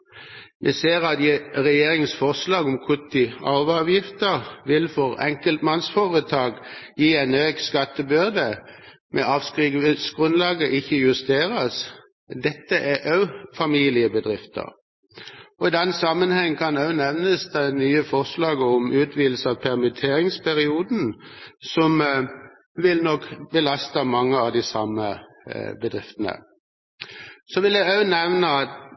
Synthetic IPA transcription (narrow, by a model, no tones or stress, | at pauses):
mʔɛseːʁɑt̪jɪʁɛjeːʁɪŋsfɔʁslɑːɡɔmkʰʊɪɑːʋɑːʋjɪft̪əʁʋɪlfɔʁɛ̰ŋkəlt̪mɑnsfoːʁət̪ʰɑːɡjiːæɪnøːɡskɑt̪ːəbʏʁd̪ə | mʔɛ̰ʔɑːfskʁiːɡʋəsɡ̥ʁʉnlɑːɡəʔɪçːəjʉst̪eːʁəs | d̪ɛt̪ːəʔæʔœʉfɑmiːlɪəbəd̪ʁɪft̪ʰə̰ʁ | ɔɪd̪ɛnːsɑmːənhɛŋːkʰɑnœʉnɛʋnəsd̪æɪnyːəfɔʁslɑːɡəɔmʔʉːt̪ʰʋiːd̪l̩səɑʋpʰɛʁmɪt̪ʰeːʁɪŋspʰæʁɪuːd̪n̩sɔm | ʋɪlnɔkbəlɑst̪əmɑŋːəɑʋd̪ɪsɑmːə | bəd̪ʁɪft̪ənə̰ | sɔʋɪljæɪœʉnɛʋnəɑt̪